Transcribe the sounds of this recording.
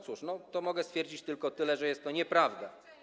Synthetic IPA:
t̪suʂnɔt̪ɔmɔɡɛst̪fʲjɛɾd͡ʑit͡ɕt̪ɘlkɔt̪ɘlɛʐɛjɛst̪ːɔɲɛpɾavd̪a

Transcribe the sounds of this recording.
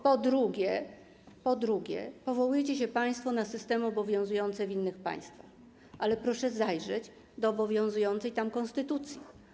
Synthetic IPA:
pɔd̪ɾuɡʲɛ | pɔd̪ɾuɡʲɛ̰pɔvɔwujɛt͡ɕɛɕɛpaj̃st̪fɔnasɘst̪ɛmɘɔbɔvʲjɔ̃zujɔnt̪sɛvinːɘxpa̰j̃st̪fax | alɛpɾɔʂɛzajʐɛd͡ʑ | d̪ɔːbɔvʲjɔ̃zujɔnt̪sɛjt̪amkɔnst̪ɘt̪ut̪sʲji

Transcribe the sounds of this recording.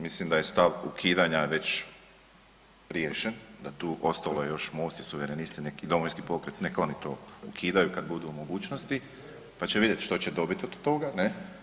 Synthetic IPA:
mislimd̪aje̞st̪aʋṵkʰiːd̪aɲaʋe̞t͡ɕ | ɾjeːʃend̪at̪uːʔo̞st̪alˠojejo̞ʃmo̞ːst̪isuʋeɾenist̪inekid̪omoʋinskipo̞kɾet̪nekaonit̪o̞ukʰiːd̪ajukad̪bud̪uːmo̞ɡuːt͡ɕnost̪i | pat͡ɕeʋid̪jet̪ʃt̪o̞t͡ɕed̪o̞bit̪ʲod̪t̪o̞ɡane

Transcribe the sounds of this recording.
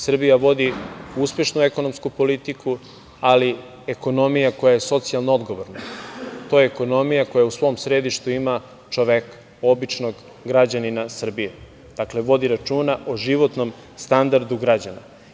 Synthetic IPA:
sr̩bijaʋo̞d̪iuspje̞ʃnueko̞no̞mskupo̞lit̪iku | ali | eko̞no̞mijako̞jaje̞so̞t̪sialˠnoo̞d̪ɡo̞ʋoɾnat̪o̞jeːko̞no̞mijako̞jausʋo̞msɾe̞d̪iʃt̪uima | t͡ʃoʋeka | o̞bit͡ʃno̞ɡ | ɡɾad͡ʑaninasr̩bije | d̪̥akle̞ʋo̞d̪iɾat͡ʃuːnaʔoʒiʋo̞t̪no̞m | st̪and̪aɾd̪uɡɾad͡ʑana̰

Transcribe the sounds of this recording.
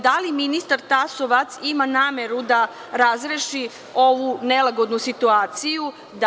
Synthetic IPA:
d̪aliminist̪aɾt̪asoʋat̪simanaːmeɾud̪a | ɾazɾeʃi | o̞ʋunelaɡo̞d̪nusit̪uaːt̪siju | d̪

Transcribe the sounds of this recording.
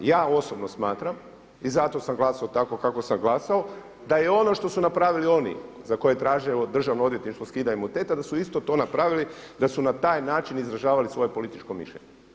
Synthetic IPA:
jaːo̞sobnosmaːt̪ɾam | izat̪o̞samɡlˠasaot̪ako̞kakosamɡlˠasao | d̪ajeo̞no̞ʃt̪o̞sunapɾaʋilio̞nḭ | zako̞jet̪ɾaːʒiod̪r̩ʒaʋnoo̞d̪jet̪iʃt̪oskiːd̪aimut̪et̪ad̪asuist̪o̞t̪o̞ːnapɾaʋilid̪asunat̪aːjnaːt͡ʃinizɾaʒaːʋalisʋo̞jepo̞lit̪it͡ʃkomḭʃʎeɲe

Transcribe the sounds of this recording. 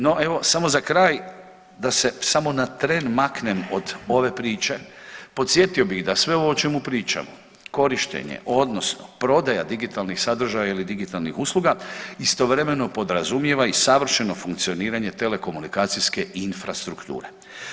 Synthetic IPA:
no̞ʔe̞ʋo̞samo̞zakɾaːj | d̪ase̞samo̞nat̪ɾenmakne̞mo̞d̪o̞ʋe̞pɾiːt͡ʃe̞po̞t̪sje̞t̪io̞biɣd̪asʋe̞o̞ʋo̞ːt͡ʃe̞mupɾiːt͡ʃa̰mo | ko̞ɾiʃt̪ḛɲḛʔo̞d̪no̞sno̰pɾo̞d̪aja̰d̪iɡit̪alˠnixsad̪ɾ̩ʒajailid̪iɡit̪alˠnixuslˠuɡaist̪o̞ʋɾe̞me̞no̞po̞d̪ɾazumje̞ʋaisaʋr̩ʃe̞no̞fuŋk̚t̪sio̞niːɾaɲe̞t̪e̞le̞ko̞munikaːt̪siske̞infɾast̪ɾukt̪ṵːɾe̞

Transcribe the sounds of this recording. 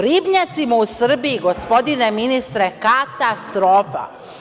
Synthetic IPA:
ɾibɲat̪simausr̩biiɡo̞spo̞d̪ine̞minist̪ɾekat̪ast̪ɾoːfa̰

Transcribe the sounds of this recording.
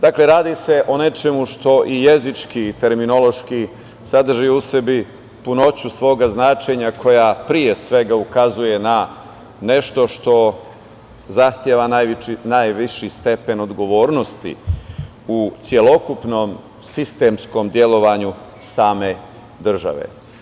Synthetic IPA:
d̪akle̞ɾaːd̪ise̞ʔo̞ne̞t͡ʃe̞muʃt̪o̞ʔije̞zit͡ʃkit̪e̞ɾmino̞lo̞ʃki | sad̪r̩ʒiuse̞bi | puno̞t͡ɕusʋo̞ːɡaznaːt͡ʃe̞ɲakʰo̞japɾije̞sʋe̞ɡaukazuje̞na | ne̞ʃt̪o̞ʃt̪o̞ | zaxt̪jeʋanajinajʋiʃist̪e̞pe̞no̞d̪ɡo̞ʋo̞ːɾno̞st̪ḭ | ut̪sje̞lo̞kupnoːm | sist̪e̞msko̞md̪je̞lo̞ʋaɲu | saːme̞ | d̪r̩ʒa̰ʋḛ

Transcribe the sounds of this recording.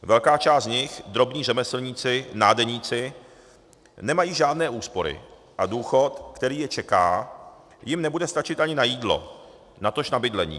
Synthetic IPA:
vɛlkaːt͡ʃaːst̪ɲɪxd̪ɾo̞bɲiːrɛmɛsl̩ɲiːt͡sɪnaːdɛɲiːt͡sɪ | nɛmajiːʒaːdnɛːʔuːspo̞ɾɪ̰ | ʔaduːxo̞t̪kt̪ɛɾiːjɛt͡ʃɛka̰ː | jɪmnɛbudɛst̪at͡ʃɪt̪ʔaɲɪnajiːdlo̞̰ | nat̪o̞ʃnabɪdlɛɲḭː

